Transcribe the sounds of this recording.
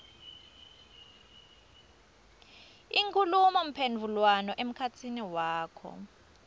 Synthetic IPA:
iŋkʰʼulumɔm̩pʰend͡vʱulwanɔʔem̩kʰat͡sʰiniwaːkʰɔ̰

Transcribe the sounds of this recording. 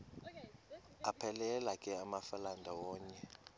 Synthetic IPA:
apʰɛlɛlakʼɛamafalandʱawɔːɲɛ

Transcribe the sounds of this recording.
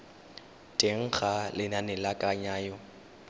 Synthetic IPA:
tʼeŋ̩ɣalɪnanɪlakʼaɲaːjɔ

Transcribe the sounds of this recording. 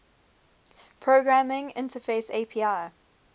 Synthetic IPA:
pʰɹoɡɹamɪ̃ŋɪ̰̃ntəfeɪseːpʰiːaː

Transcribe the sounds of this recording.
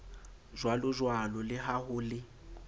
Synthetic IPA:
ʒwalʊʒwalɔlɪɦaɦʊlɪ

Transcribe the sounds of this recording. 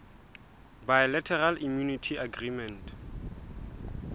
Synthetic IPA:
bajlɛtʰɛralʔimjunitʰiaɡrimɛ̃nt

